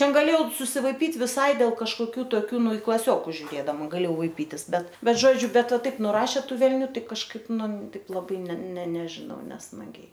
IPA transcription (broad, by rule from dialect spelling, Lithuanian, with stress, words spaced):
ˈtʲɛn ɡɐˈlʲeːjɛʊ sʊsʲɪʋɐɪˈpʲiːtʲ ʋʲɪˈsɐɪ dʲeːlˠ kɐʃkoːˈkʲuː toːˈkʲuː ˈnʊ ɪ klˠɐˈsʲoːkʊs ʒʲʊˈrʲeːdɐmɐ ɡɐˈlʲeːjɛʊ ʋɐɪˈpʲiːtʲɪs ˈbʲɛt ˈbʲɛt ˈʒoːd͡ʒʲʊ ˈbʲɛt ˈʋɐ ˈtɐɪp nʊˈrɑːʃʲeː ˈtuː ʋʲɛlʲˈnʲuː ˈtɐɪ kɐʃˈkɐɪp ˈnʊ ˈtɐɪp lˠɐˈbɐɪ nʲɛ nʲɛ nʲɛʒʲɪˈnɐʊ nʲɛsmɐˈɡʲɛɪ